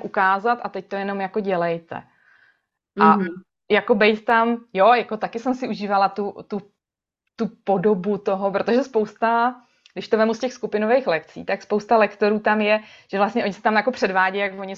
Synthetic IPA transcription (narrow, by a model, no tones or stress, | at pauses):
ʔukaːzat̪at̪ɛc̚t̪o̞jɛno̞mjako̞ɟɛlɛjt̪ɛ̰ | ʔa | jako̞bɛjt̪t̪amjo̞jako̞t̪akɪsɛmsɪʔuʒiːvalat̪ut̪u | t̪upo̞do̞but̪o̞ɦopɾo̞t̪o̞ʒɛspo̞wst̪a | ɡdɪʃt̪ovɛmuscɛxskupɪno̞vejxlɛkt͡sḭːt̪akspowst̪alɛkt̪o̞ɾuːt̪amjɛʒ̥ɛvlast̪ɲɛʔo̞ɲɪsɛ̥t̪amjako̞pr̝̥ɛdvaːɟɛjjakvoɲɪ